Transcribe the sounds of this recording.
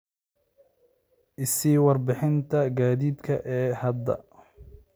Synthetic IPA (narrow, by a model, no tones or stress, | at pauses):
ʔɪsiːwɑrbɪħɪnt̪ʰɐɡaːðiːb̪kʰɐ̰ʔɛːhɐd̪ːɐ̰